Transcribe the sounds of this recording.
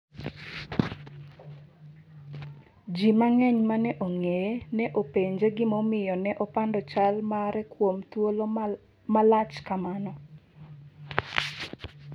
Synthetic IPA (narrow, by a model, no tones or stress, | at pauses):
d͡ʒimaŋɛɲmanɛʔoŋejenɛʔopeɲd͡ʒeɡɪmɔmɪjɔnɛʔɔpandɔt͡ʃalmaɾɛkwomt̪wolo | malat͡ʃkamanɔ